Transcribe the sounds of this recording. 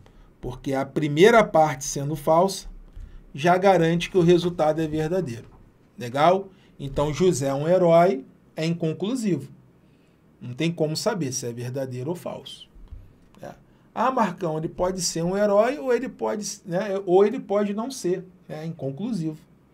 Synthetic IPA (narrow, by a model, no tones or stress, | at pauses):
poɾkeɐpɾimejɾɐpaɾt͡ʃɪ̥sẽnd̪ʊfawsɐ̥ʒaɡaɾɐ̃nt͡ʃɪ̥kɪʊɦezut̪ad̪ʊɛveɾd̪ad̪ejɾʊ | leɡaw | ẽnt̪ɐ̃w̃ʒuzɛũeɾɔj | ɛĩkõŋkluzivʊ | nɐ̃w̃t̪ẽj̃kõmʊsabeɾsɪɛveɾd̪ad̪ejɾʊofa̰wsʊ̥ | nɛ̰ | amaɾkɐ̃w̃elɪpɔd͡ʒɪseɾũeɾɔjoelɪpɔd͡ʒɪsnɛoelɪpɔd͡ʒɪnɐ̃w̃seɾnɛĩkõkluzivʊ